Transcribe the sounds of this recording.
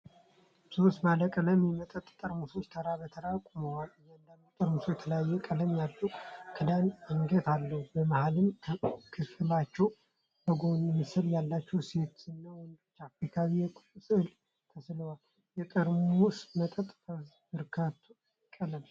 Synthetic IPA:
sost̪baləkʼələmimət̪ʼət̪ʼt̪ʼəɾmuso̞t͡ʃːt̪ʰəɾabət̪ʰəɾakʷʼuməwalɨjand̪əmːot̪ʼəɾmusojɛt̪ʰələjajːɛkʼələmjalːəwkʰɨd̪anəŋɡət̪ʰalːəhubəmahalɨmʰkʰɨfɨlat͡ʃːɛw | b̥əɡonɛmːɨsɨljalːat͡ʃːɛwse̞t̪ɨnːawɔnd̪ot͡ʃːafikʰaβijɛkʼsɨhl | t̪ʰəsləwal | jɛt̪ʼəɾmusmət̪ʼət̪ʼt̪ə | bɨɾkʰat̪ʰːu | kʼələm

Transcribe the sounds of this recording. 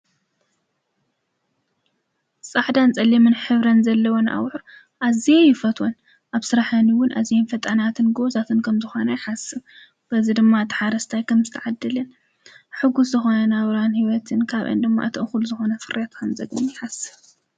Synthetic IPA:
sʼaʕd̪ant͡sʼɐlimɨnħɨβɾɐnzɐlːɐwonʔa̰wħɾ | ʔaziejɪfɐt̪ʰwon | ʔaβsɨɾaħɐniwʊnʔa̰zijenfɐt̪ʼɐnat̪ʰɨnɡozat̪ʰɨnkʰɐmzɨxo̞nɐjɪħasɨβ | b̥ɐzid̪ɨmːat̪ʰɨ̥ħaɾɐst̪ʰajkʰɐmzɨt̪ʰɐʕad̪ːɨlɨn | ħɨɡus̬zɨxo̞nɐnaβɾanhiwɐt̪ʰɨnkʰaβʔɨ̰nd̪ɨmːa̰ʔɨt̪ʰɨʔɨxulzɨxo̞nɐfɨɾet̪kʰɐmzɐɡɨnjɪħasɨβ

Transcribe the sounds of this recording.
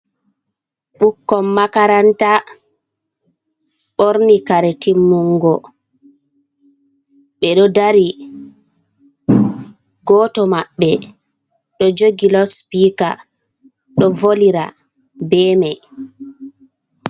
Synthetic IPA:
ɓukːɔmːakaɾanta | ɓoɾnikaɾɛtimːuŋɡɔ | ɓɛɗɔdaɾi | ɡɔːtɔmaɓːɛ | ɗɔd͡ʒoɡilɔspiːka | ɗɔvoliɾa̰ | bɛːmɛ

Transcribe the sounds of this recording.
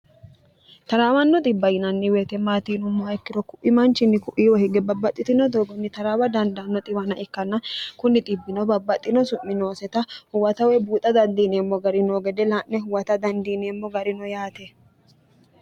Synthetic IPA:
t̪ɐɾaːwɐnːɔt̪ʼɪbːɐjɪnɐnːɪweːt̪ɛmaːt̪iːnʊmːɔɐɪkːɪɾɔkʊʔɪmɐnt͡ʃɪnːɪkʊʔiːwɔhɛɡɛbɐbːɐt̪ʼːɪt̪ɪnɔd̪oːɡɔnːɪt̪ɐɾaːwɐd̪ɐnd̪ɐnːɔt̪ʼɪbɐnɐʔɪkːɐnːɐkʊnːɪt̪ʼɪbːɪnɔbɐbːɐt̪ʼːɪnɔsʊmːɪnoːsɛt̪ɐhʊwɐt̪ɐwɛbuːt̪ʼːɐd̪ɐnd̪iːneːmːɔɡɐɾɪnoːɡɛd̪ɛlaʔnɛɦʊwɐt̪ɐd̪ɐnd̪iːneːmːɔɡɐɾɪnɔjaːt̪ɛ

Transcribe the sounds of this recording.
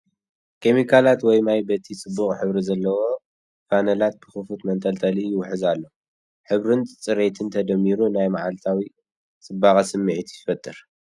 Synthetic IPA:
kʰe̞mikʰalat̪wɔjmajbɐt̪ʰisʼɨbːuxʼħɨβɾizɐlːɐwo̞ | fanɐlat̪̚bɨxɨfut̪mɐnt̪ʰʼɐlt̪ʰɐlijɪwħɨzalːo | ħɨβɾɨnʼt͡sʼɨɾet̪ʰɨnt̪ʰɐd̪ɐmːiɾunajmaʕalt̪ʰawi | t͡sʼɨbːaχʼɐsɨmːɨʕt̪ʰjɪfɐt̪ʼːɨɾ

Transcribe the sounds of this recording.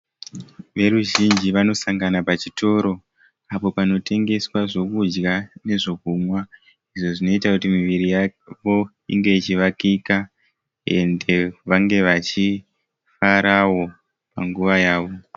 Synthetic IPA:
ʋe̞ɾuʒind͡ʒiʋano̞saŋɡanapat͡ʃitʰo̞ɾo̞ | apo̞pano̞te̞ŋɡe̞swaʐo̞kud͡ʒɡane̞ʐo̞kumwa | iʐo̞ʐino̞itakutimiʋiɾijaʋo̞ | ḭŋɡe̞it͡ʃiʋakika | e̞̰nde̞ʋaŋɡe̞ʋat͡ʃi | faɾawo̞ | paŋɡuʋajaːʋo̞

